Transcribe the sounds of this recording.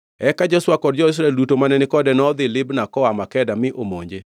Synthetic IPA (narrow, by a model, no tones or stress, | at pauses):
ɛkad͡ʒɛswakɔd̚d͡ʒɔɪs̬ɾaɛldutomanɛnɪkɔdɛnɔd̪ɪlɪbnakɔamakɛdamɪʔomo̰ɲd͡ʒe